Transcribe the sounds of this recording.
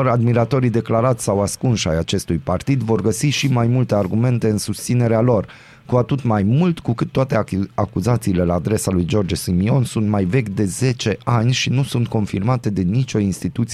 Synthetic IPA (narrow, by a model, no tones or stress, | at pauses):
oɾad̪miɾat̪o̞ɾid̪e̞klaɾat̪ssawaskunʃajat͡ʃe̞st̪ujpart̪id̪vo̞rɡəsiʃimajmult̪e̞arɡume̞nt̪e̞ɨnsust̪sine̞ɾealo̞r | kuat̪ut̪majmult̪kukɨt̪ːoat̪e̞akuzat̪siːle̞laːd̪ɾe̞salujd͡ʒo̞rd͡ʒsimio̞nsunt̪majve̞kʲd̪e̞ze̞t͡ʃe̞ʔanʲʃinusunt̪̚ko̞nfirmat̪e̞d̪enit͡ʃo̞inst̪it̪ut̪s